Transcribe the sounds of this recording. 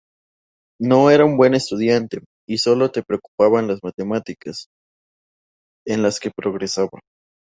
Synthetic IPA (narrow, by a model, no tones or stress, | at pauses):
no̞e̞ɾaumbwe̞ne̞st̪uðjant̪e̞ | iso̞lo̞t̪e̞pɾeoku̥paβanlazmat̪e̞mat̪ikas | e̞nlaske̞pɾo̞ɣɾe̞saβa̰